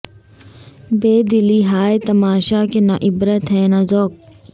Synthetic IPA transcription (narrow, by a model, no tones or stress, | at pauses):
beːd̪ɪliːɦaːet̪ɐmaːʃakenaʔɪbɾət̪ɦɛ̃ːnazoːk̚